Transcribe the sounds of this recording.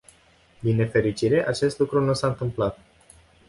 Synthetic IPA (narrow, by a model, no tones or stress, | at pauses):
d̪inːe̞fe̞ɾit͡ʃiɾe̞ʔat͡ʃe̞st̪lukɾunusaɨnt̪ɨmplat̪̚